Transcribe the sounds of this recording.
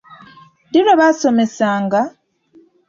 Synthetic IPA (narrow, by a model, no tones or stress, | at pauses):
diɾoβaso̞me̞saːŋɡa